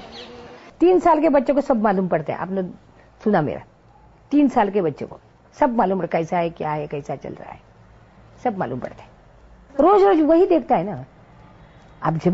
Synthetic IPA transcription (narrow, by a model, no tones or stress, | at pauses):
t̪iːnsaːlkebɐtːʃek̬osɐbmaːluːmpɐɽt̪ḛɦḛ̃a̰ːpnə | sunamḛɾa̰ | t̪iːnsalkebɐtːʃḛko | sɐbmaːluːməkɐisaɦekjaɦekɐisat͡ʃɐ̰lɾa̰ːɦe | sɐbma̰lṵːmpə̰ɽt̪eɦɛ̃ | ɾoːd͡ʒɾoːd͡ʒʋəɦid̪eːkʰt̪aɦena | a̰ːpd͡ʒʱe